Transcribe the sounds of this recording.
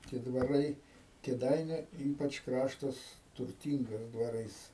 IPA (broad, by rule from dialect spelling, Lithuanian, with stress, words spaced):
tʲiɛ dʋɐˈrɐɪ kʲeːˈdɐɪnʲʊ ˈiːpɐt͡ʃ ˈkrɑːʃtɐs tʊrʲˈtʲiːŋɡɐs dʋɐˈrɐɪs